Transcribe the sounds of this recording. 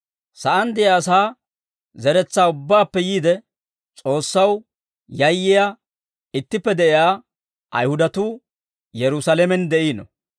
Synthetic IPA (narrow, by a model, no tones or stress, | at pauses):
sɐʔɐnd̪ɪjaːs̬aː | zɛɾɛt͡sːaːʊbːaːpːɛjiːd̪ɛ | t͡sʼo̞ːsːɐw | jɐjːɪja | ɪt̪ːɪpːɛd̪ɛʔɪjaː | ʔɐ̰jhʊd̪ɐt̪uː | jɛɾʊsalɛmɛnd̪ɛʔiːnɔ̰